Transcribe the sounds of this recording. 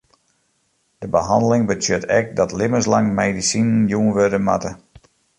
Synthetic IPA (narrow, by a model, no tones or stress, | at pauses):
d̥əbəɦɑndəlɪŋbətʰjøtʰɛ̰k̚dɔtlɪməslaŋmejdisinnjuːənʋødəmatə